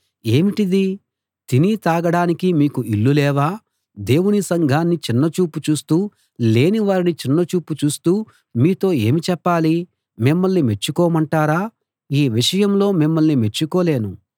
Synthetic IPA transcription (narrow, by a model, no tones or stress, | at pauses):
e̞ːmiʈid̪i | t̪init̪aːɡɐɽaːnikimiːkuʔilːulɛːʋaː | d̪e̞ːwunisɐŋɡʱaːnːit͡ʃinːɐt͡ʃuːput͡ʃuːst̪uː | le̞ːniʋaːɾinit͡ʃinːɐt͡ʃuːput͡ʃuːst̪uː | miːt̪o̞ːe̞ːmit͡ʃɛpːaːli | mimːɐɭnime̞t͡ʃːukɔːmɐɳʈaːɾaː | iːʋiʂɐjɐmlo̞ːmimːɐlnime̞t͡ʃːukoːle̞ːnu